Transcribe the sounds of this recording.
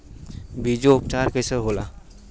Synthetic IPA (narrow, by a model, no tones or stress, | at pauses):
bʱid͡ʒoːp̚ʈaːɾkəjsəɾɦola̰